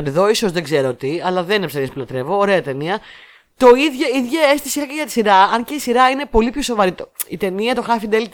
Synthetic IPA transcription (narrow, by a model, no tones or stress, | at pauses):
t̪eðo̞iso̞zðeɡzeɾot̪iɐlɐðeninefsenispulɐt̪ɾe̞voːɾe̞ɐt̪e̞niɐ | t̪o̞iðʝoiðʝɐest̪isixɐceʝɐt̪i̥siɾɐɐɲceisiɾɐine̞po̞lipço̞so̞vɐɾit̪oit̪e̞niɐt̪o̞xɐfid̪elit̪